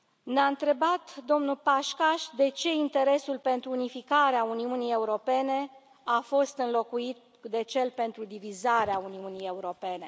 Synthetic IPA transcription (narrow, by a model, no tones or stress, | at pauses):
neaɨnt̪ɾe̞bat̪d̪o̞mnupaʃkaʃʲd̪e̞t͡ʃe̞int̪e̞ɾe̞sulpe̞nt̪ɾuːnifikaɾeauniunije̞uɾo̞pe̞ne̞ | afo̞st̪ɨnlo̞kuit̪̚ | d̪e̞t͡ʃe̞lpe̞nt̪ɾud̪ivizaɾeauniunije̞uɾo̞pe̞ne̞